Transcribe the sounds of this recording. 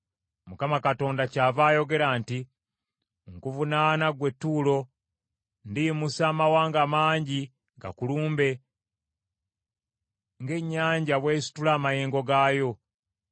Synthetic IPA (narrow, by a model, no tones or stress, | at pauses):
mukamakato̞ːndacaːvaːjo̞ɡe̞ɾaːnti | ŋkuvunaːnaɡwe̞tːulo̞ | ndimusaːmawaːŋɡamaːɲɟi | ŋɡa̰kuluːmbe̞ | ŋɡe̞ɲːaːɲɟaβweːsi̥tulaːmajeːŋɡo̞ɡaːjo̞